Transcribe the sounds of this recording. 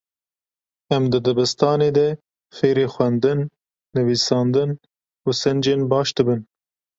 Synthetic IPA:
ɛmd̪ɨd̪ɛbɨst̪ɑːneːd̪ɛ | feːɾeːxwɛnd̪ɨnː | ɨviːsɑːnd̪ɨn | usɛnd͡ʒeːnbɑːʃd̪ɨbɨn

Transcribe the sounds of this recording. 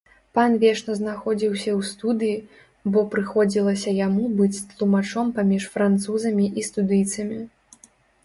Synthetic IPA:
panvʲɛʂnɐznaxɔd͡zʲiwsʲɐwst̪ud̪ɨji | bɔpɾɨxɔd͡zʲilˠɐsʲɐjamubɨt͡sʲt̪lˠumat͡ʂɔmpamʲiʂfɾant̪suzɐmʲiʔist̪ud̪ɨjt̪sɐmʲi

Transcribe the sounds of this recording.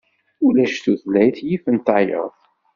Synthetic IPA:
ulæʃt̪uθlæjθjifənt̪ɑjə̰ðˤ

